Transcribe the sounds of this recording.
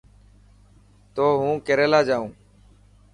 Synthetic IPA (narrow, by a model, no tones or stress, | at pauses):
t̪oːɦũːkeɾeːlaːd͡ʒaːũː